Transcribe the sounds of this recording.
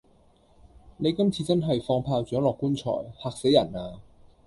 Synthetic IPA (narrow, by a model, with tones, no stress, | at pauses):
ne˨˧jkɐ˥mt͡sʰiː˧t͡sɐ˥nɦɐ˨jfɔː˧ŋpʰaː˧wt͡ʃœː˨˥ŋlɔː˨kːuː˥nt͡ʃʰɔ̰ː˨˩jhaː˨˧k̚se˨˥jɐ̰˨˩naː˧